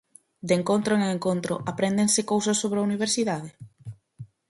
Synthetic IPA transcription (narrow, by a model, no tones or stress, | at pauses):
d̪eŋkont̪ɾoeŋeŋkont̪ɾʊ̰ʔapɾend̪ensɪkowsosːoβɾauniβ̞eɾsiðaðɪ